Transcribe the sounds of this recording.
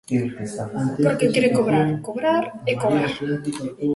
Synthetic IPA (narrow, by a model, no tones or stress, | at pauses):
poɾkekeɾekoβɾakoβɾaɾekoβɾaɾ